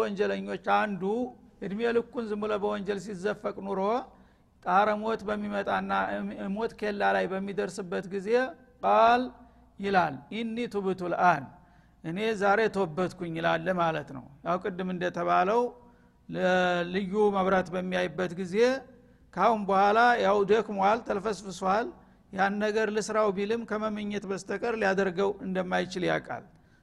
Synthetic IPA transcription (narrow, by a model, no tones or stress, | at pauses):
wɔnd͡ʒɛləɲːo̞t͡ʃːand̪uʔɨd̪melɨkːunzɨmɨlobəwɔɲd͡ʒɛls̬izəfːəkʼnuɾo̞ | t̪ʼaɾəmo̞t̪bəmːimət̪ʼanːamo̞t̪kʰe̞lːalajbəmːid̪əɾsɨbːət̪ɡize̞ | kʼal | jɪlaljɪnːit̪ʰuβɨt̪ʰulʔan | ʔɨne̞zaɾe̞t̪ʰəwɔbːət̪kʰunːɪlalːəmalət̪nə̰wjawkʼɨd̪ːɨmɨnd̪ət̪ʰəβaləw | lɨjːuməβɾat̪bəmːijajɨbːət̪ɡize̞ | kʰawunbəhʷalajawd̪əkmwalt̪ʰəlfəsfɨswal | janːəɡəɾlɨsɨɾawbilɨmkʰəməmɨɲːɛt̪bəst̪ʰəkʼəɾlijad̪əɾɡəwɨnd̪əmːajt͡ʃɪlja̰kʼa̰l